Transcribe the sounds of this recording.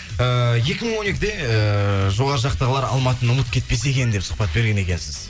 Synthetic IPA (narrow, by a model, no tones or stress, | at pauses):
əje̞kʲɪməɴwone̞kʲɪd̪e̞əʒo̞ʁɑɾəʒɑqt̪əʁəlˠɑɾɑ̰lˠmɑt̪ənʊmət̪̚kʲʰe̞t̪̚pe̞se̞kʲe̞nd̪epsʊ̥q̚pɑt̪̚be̞ɾɡʲe̞ne̞kʲensɪz̥